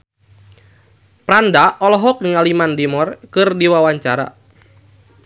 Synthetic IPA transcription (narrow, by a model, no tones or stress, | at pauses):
pɾandaɔlɔɦɔk̚niŋalimandimɔrkɨrdiwawaɲt͡ʃaɾa̰